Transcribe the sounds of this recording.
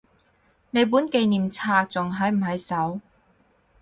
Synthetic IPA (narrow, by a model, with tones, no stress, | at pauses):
ne˨˧jp̬uː˨˥nke˨˧jniː˨mt͡sʰaː˧t͡sʊ˨˩ŋɦɐ˨˥jm̩˨˩ɦɐ˨jsɐ˨˥w